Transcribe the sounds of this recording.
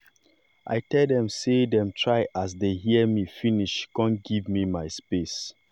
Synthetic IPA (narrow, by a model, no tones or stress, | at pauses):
ʔa̰ɪtɛldɛ̃msedɛ̃mtʰɹaɪʔas̬deɦiəmifiniʃkɔ̃nɡivmimaɪspes